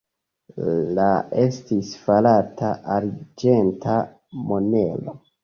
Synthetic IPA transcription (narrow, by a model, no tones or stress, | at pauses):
lae̞stisfalatʰaʔaɾd͡ʒe̞nta | mo̞ne̞̰lo̰